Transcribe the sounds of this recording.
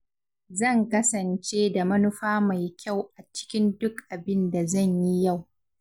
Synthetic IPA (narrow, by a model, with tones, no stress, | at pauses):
zɐ˦˨ŋkɐ˦sɐ˨nt͡ʃeː˦da˨mɐ˦nʊ˦ɸaː˦ma˨jkʲʰa˦˨wʔa˨t͡ʃɪ̥˦kʲɪ˦ndʊ˦kʔa˨bɪ˦nda˨zɐ˦˨ɲji˦ja˦˨w